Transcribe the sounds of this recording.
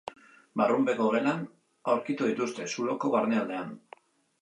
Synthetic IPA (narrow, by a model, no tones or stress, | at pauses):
barumbe̞koɣelan | awɾkit̪uðit̪ust̪e̞sulo̞ko̞βaɾneald̪e̞an